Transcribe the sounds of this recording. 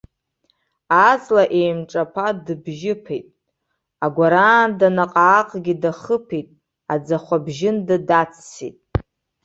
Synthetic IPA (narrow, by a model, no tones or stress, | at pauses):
azʼlaʔejmʈ͡ʂʼapʰadɨbʒɪpʰejtʼ | aɡʷaɾaːndanaqʼaːqʼɡʲidaχəpʰetʼ | ad͡zaχʷabʒɪndadat͡sʰsḭtʼ